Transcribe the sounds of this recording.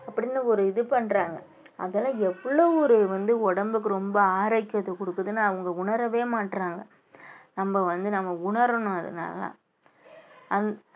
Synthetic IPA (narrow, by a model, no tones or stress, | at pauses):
ɐpːɐɽɪnːɯɔɾɯɪðɯpɐɳːɾaːŋɡɐ | ɐ̰ðɐlãːɛpːɐɭoːɔɾɯʋɐnd̪ɯɔɽɐmbɯkːɯɾɔmbɐaːɾaːɪkːɪɐðɐkɔɽɯkːɯðɯnːaːɐʋɐŋɡɐʊɳɐɾɐʋeːmaːʈːɾaːŋɡɐ | nɐmːɐʋɐnd̪ɯnɐmːɐʊɳɐɾɐɳʊ̃ɐðɯ̰na̰ːlɐ̰ː | ɐn